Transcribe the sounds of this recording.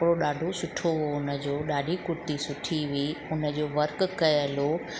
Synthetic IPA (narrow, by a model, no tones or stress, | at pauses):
kɪɽoɗaːɖʱosʊʈʰoɦoʊnə̆d͡ʑoːɗaːɖʱikʊɾt̪isʊʈʰiɦʊiʊnə̆d͡ʑoːʋɐɾkkɐjəlo